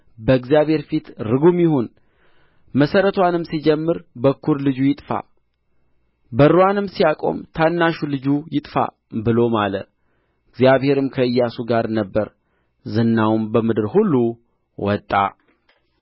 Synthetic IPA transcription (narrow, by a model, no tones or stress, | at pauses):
bəɨɡzijaβhe̞ɾfit̪ɾɨɡumjɪhun | məsəɾət̪ʰwanɨmsid͡ʒɛmːɨɾbəkʰːuɾlɨd͡ʒujɪt̪ʼfa̰ | bəɾowanɨmsijakʼo̞̰mt̪ʰanːaʃulɨd͡ʒujɪt̪ʼfa̰ | bɨlo̞malə̰ | ɨɡzjaβhe̞ɾɨmkʰəɨjːasuɡaɾnəbːəɾ | zɨnːawmbəmɨd̪ɨɾhulːu | wɔt̪ʼːa̰